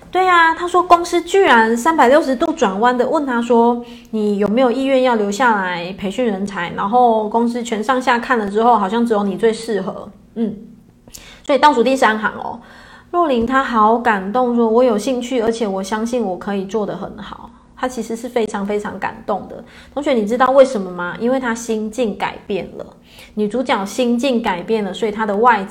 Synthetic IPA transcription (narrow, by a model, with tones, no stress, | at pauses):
t̪we˥˩ɪa˨t̪ʰa˥ʂwɔ˥kʊ˥ŋs̩˥t͡ɕy˥˩ɻa˧˦nsa˦npa˨˩ɪljo˥˩ʊʂ̬ɻ̩˧˦t̪u˥˧ʈ͡ʂwa˨˩nwa˦˥nd̪ə˨wə˥˨nt̪ʰa˥ʂwɔ˥ | ni˨˩jo˨˩me˧˥ɪjo˨˩i˥˧ɥɛ˥˧njɑ˥˩ʊljo˧ʊɕja˥˩la˧˦ɪpʰe˧˥ɪɕy˥˩nɻə˧˥nt͡sʰa˧˥ɪna˧˥nxo˥˩ʊkʊ˥ŋs̩˥t͡ɕʰɥɛ˧˥nʂɑ˥˧ŋɕja˥˧kʰa˥˩nlə˩ʈ͡ʂɻ̩˥xo˥˩ʊxɑ˨˩ɕjɑ˥˩ŋʈ͡ʂɻ̩˧˥jo˧˥ʊni˨˩t͡swe˥˧ɪʂɻ̩˥˩xɤ̰˧˦ | n̩˥˩ | swɔ˧˥i˨˩t̪ɑ˥˩ʈ͡ʂu˨˩t̪i˥˧nʂ̩˥˩a˧˥nxɑ̰˧˥ŋɔ̰˧ | ɻwɔ˥˩li˧˥nt̪ʰa˥xɑ˧˥˦ʊka˨˩nt̪o˥˩ŋʂ̬wɔ˦˥wɔ˧˦˥jo˨˩ʊɕi˥˧ŋt͡ɕʰy˥˩ə˞˧˥t͡ɕʰjɛ˨˩wɔ˨˩ɕjɑ˥ŋɕi˥˩nwɔ˨˩kʰɤ˧˥i˨˩t͡swɔ˥˩d̪ə˩xə˨˦nxɑ˨˩˦ʊ | t̪ʰa˥t͡ɕʰi˧˥ʂɻ̩˧˥ʂ̩˥˩fe˥ɪʈ͡ʂʰɑ˧˥ŋfe˥ɪʈ͡ʂʰɑ̰˧˥ŋka̰˨˩nt̪ʊ˥˩ŋd̪ə̰˩ | t̪ʰʊ˧˥ŋɕɥɛ˧˦ni˨˩ʈ͡ʂɻ̩˥˦t̪ɑ˥˧ʊwe˥˩ɪʂə˧˥nmə˨ma˨ʔi˥nwe˥˩ɪt̪ʰa˥ɕi˥ŋt͡ɕi˥˩nka̰˨˩ɪpjɛ˥˩nlə̰˩ | ni˨˩t͡su˧˥t͡ɕjɑ˨˩ʊɕi˥ŋt͡ɕi˥˩ŋka˨˩ɪpjɛ˥˩nlə˩swɔ˧˥i˨t̪ʰa˦˥d̪ə˨wa˥˧ɪ